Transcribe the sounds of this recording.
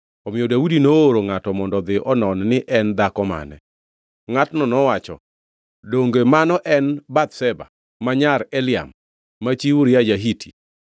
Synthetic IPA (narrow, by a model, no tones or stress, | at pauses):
ɔmɪjɔdaudinooɾoŋatɔmɔndɔd̪ɪʔɔnɔnnɪʔɛnd̪akɔma̰nɛ̰ | ŋatnɔnɔwat͡ʃɔ̰ | doŋɡemanɔʔɛnbat̪sɛba̰ | maɲaɾɛlɪa̰mː | at͡ʃiwuɾjad͡ʒaɦitʰi̥